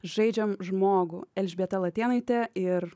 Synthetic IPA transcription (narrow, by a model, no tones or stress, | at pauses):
ʒɐɪd͡ʒʲɛmʒmoːɡʊɛlʲʒʲbʲeɛt̪ɐlˠɐt̪ʲeːnɐɪt̪ʲɛɪɾ